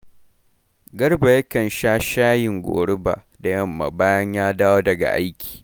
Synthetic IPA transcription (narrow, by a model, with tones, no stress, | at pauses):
ɡɐ˦rba˨jɐ˦kɐ˨nʃaː˦ʃaː˦jɪ˨ŋɡʷo̰ː˨ɽʊ˦ba̰˨ | da˨jɐ˦˨mːa̰˨baː˦jɐ˦ɲjaː˦daː˦woː˦dɐ˨ɡa̰˨ʔa̰˦jkʲʰi̥ː˨